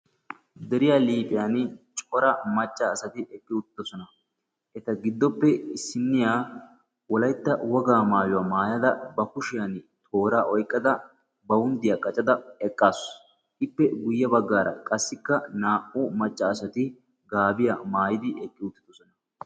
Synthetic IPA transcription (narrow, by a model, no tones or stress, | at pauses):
d̪ɛɾɪjaːliːpʼɪjant͡ʃʼɔɾɐmɐt͡ʃʼːɐːsɐt̪ɪɛkʼːɪʊt̪ːɪ̥d̪ɔsɔnɐ | ʔɛt̪ɐɡɪd̪ːɔpːɛɪsːɪnːɪjaː | wɔlɐjt̪ːɐwɔɡaːmaːjʊwaːmaːjɐd̪ɐbɐkʊʃɪjanɪt̪ʰoːɾaːʔɔjkʼːɐd̪ɐ | bɐwʊnd̪ɪjaːkʼɐt͡ʃʼɐd̪ɐɛkʼːaːs | ʔɪpːɛɡʊjːɐbɐɡːaːɾɐ̰kʼɐsːɪkːɐnaːʔʊmɐt͡ʃʼːɐːsɐt̪ɪ | ɡaːbɪjɐmaːjɪd̪ɪɛkʼːɪʊt̪ːɪd̪ɔsɔnɐ